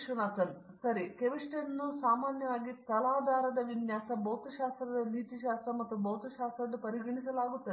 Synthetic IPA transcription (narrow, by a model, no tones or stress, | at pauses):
ʃʋunaːsɐn | sɐɾikeʋiʂʈɐnːusaːmaːnjɐʋaːɡit̪ɐlaːd̪ʱaːɾɐd̪ɐʋinjaːsɐboːt̪ɐʃaːst̪ɾɐd̪ɐniːt̪iʃaːst̪ɾɐmɐt̪ːuboːt̪ɐʃaːst̪ɾɐd̪upɐɾiɡɐɳisɐlaːɡut̪ːɐ